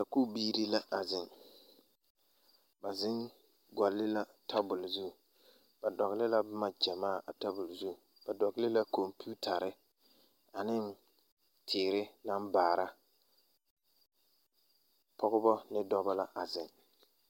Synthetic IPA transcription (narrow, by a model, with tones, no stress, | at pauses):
ka˨ku˦biː˦ɾi˦la˦ʔa˨zɪ˨ŋ | ba˨zɪ˦n | ɡɔ˨lːɪ˦la˦tʰa˦bʊ˨lzu˦˨ | ba˨dɔ˨ɣlɪ˦la˦bʊ˦ma˦d͡ʒɛ˨maː˦˨ʔa˨ta˦bʊ˨lzu˦˨ | b̥a˨dɔ˨ɡlɪ˦la˦ko˨mpi˦u˦tʰa˨ɾɪ˦ | a˨nɪ˦n | tʰɪː˨ɾɪ˦la˦mbaː˨ɾa˦ | pʰɔ˦ɣʊ˦bɔ˦nɪ˦dɔ˦ba˦la˦ʔa˨zɪ˨ŋ